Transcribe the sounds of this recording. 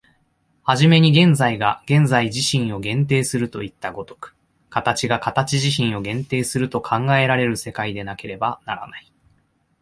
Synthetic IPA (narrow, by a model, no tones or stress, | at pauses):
haʑime̞ɲ̟iɡẽ̞nzaiɡaɡ̥ẽ̞nzaiʑiɕĩɰ̃o̞ɡẽ̞nt̪̬e̞ːsɨɾɯ̟t̪o̞it̪ːaɡo̞t̪o̥kɯ̟̥ | kat̪at͡ɕiɡakat̪at͡ɕiʑiɕĩɰ̃o̞ɡẽ̞nt̪e̞ːsɨɾɯ̟t̪o̞kʰãŋɡae̞ɾaɾe̞ɾɯ̟se̞kaid̪e̞nake̞ɾe̞bana̰ɾa̰nai